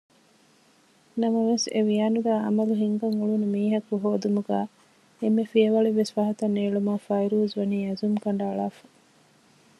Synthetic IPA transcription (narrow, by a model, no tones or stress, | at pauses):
nɐmɐʋesḛʋiaːnuɡæːʔɐ̰mɐluɦiŋɡɐŋuɭunumiːɦɐkuɦoːd̪umuɡæː | emːefiɐʋɐɭiʋesʋɐɦɐt̪ɐneːɭumaːfɐjɾuːzʋɐniːɐzumkɐɳɖɐːɭaːfɐ̥